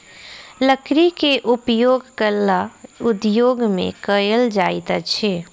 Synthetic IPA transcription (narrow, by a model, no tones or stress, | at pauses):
ləkɾikeʔʊpjoːɡkəllːaʊd̪joːɡmḛ̃kəjəld͡ʒaːit̪at͡ʃʰɛː